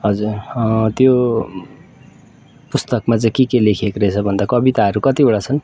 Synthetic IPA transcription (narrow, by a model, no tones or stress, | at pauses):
ɦʌd͡zurt̪jo | pust̪ʌkmat͡sʌj̃kekelekʰekɾʌt͡sʰʌbʱʌnd̪akʌbit̪aɦʌɾukʌt̪ibʌɽat͡sʰʌn